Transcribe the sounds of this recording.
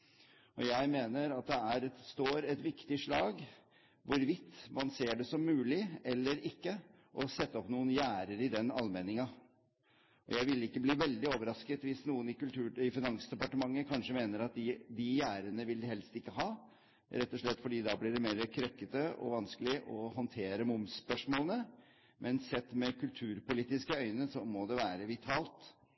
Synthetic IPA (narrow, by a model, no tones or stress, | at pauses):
ʔɔjæɪmeːnəɾɑt̪̚d̪ɛæɾɛt̪st̪oːɾɛt̪ʋɪkt̪ɪʂɭɑːɡ | ʋʊɾʋɪt̪ːmɑnseːɖɛsɔmːʉːlɪɛlːəɾɪkːə | ʔɔsɛt̪ːəɔpnuːənjæːɾəɾɪd̪ɛnɑlmeːnɪŋɑ | ʔɔ̰jæɪʋɪlɪkːəbliːʋɛld̪ɪoːʋəɾɑskət̪ʋɪsnuːənɪkʉlt̪ʰʉːɪfɪnɑŋsd̪ɛpɑʈəmɑŋːəkʰɑnʂəmeːnəɾɑt̪̚d̪ɪd̪ɪjæːɾənəʋɪlhɛlst̪ɪkːəɦɑː | ɾɛt̪ːɔʂɭɛt̪ːfɔɖiːd̪ɑblɪɖɛmeːɾəkʰɾœkːət̪əɔ̰ʋɑnskəlɪʔɔɦɔnt̪ʰeːɾəmʊmspœʂmoːlənə | mʔɛnsɛt̪ːmɛkʉlt̪ʰʉːɾpʊliːt̪ɪskəœʏnəsɔmɔd̪ɛʋæːɾəʋɪt̪ʰɑːlt̪